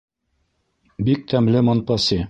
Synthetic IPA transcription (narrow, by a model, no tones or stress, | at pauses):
bik̚t̪ʰæmlɘmɑnpɑsi